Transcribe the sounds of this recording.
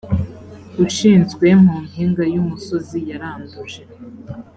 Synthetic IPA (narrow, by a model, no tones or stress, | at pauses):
ɡuʃiːnzɡwe̞m̥uːnhiːŋɡajumuso̞zijaɾaːnduʒe